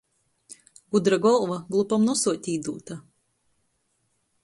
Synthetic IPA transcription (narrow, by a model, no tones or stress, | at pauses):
ɡud̪ɾaɡɔlˠvaɡlˠupamnusuɔt̪ʲiːd̪uːt̪a